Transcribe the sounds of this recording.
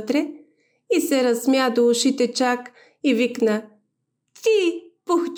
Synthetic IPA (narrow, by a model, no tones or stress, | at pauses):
t̪ɾɛ | isɛɾɐsmjad̪oʊʃit̪ɛt͡ʃak | iviknə | t̪ipoxt͡ʃ